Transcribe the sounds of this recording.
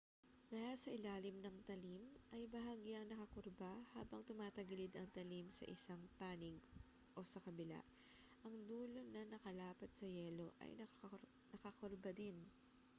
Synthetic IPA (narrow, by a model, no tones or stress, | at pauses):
kɐjasɐʔɪlaːlɪmnɐŋt̪ɐlimʔɐjbɐɦaɡiɐŋnɐkɐkʊɾbaha̰ːbɐŋt̪ʊmaːt̪ɐɡɪlɪd̪ɐŋt̪ɐlimsɐ̰ʔɪsaŋpaːnɪɡ | ʔo̞sɐkɐbɪla̰ʔ | ʔɐŋd̪uːlo̞nɐnɐkɐlaːpɐt̪̚sɐjɛːlo̞ʔɐ̰jnɐ | nɐkɐkoɾbɐd̪ɪn